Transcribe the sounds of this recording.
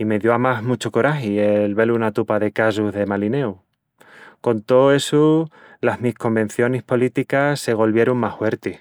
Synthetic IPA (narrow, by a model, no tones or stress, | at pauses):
ime̞ðjo̞amaɦmut͡ʃoko̞ɾaɦielβe̞lunat̪upaðe̞kasuzðe̞maline̞u | ko̞nt̪o̞e̞su | lazmihko̞mbe̞n̟θjo̞nehpo̞lit̪ikasːe̞ɣ̞o̞lβje̞ɾoŋmahwe̞ɾt̪e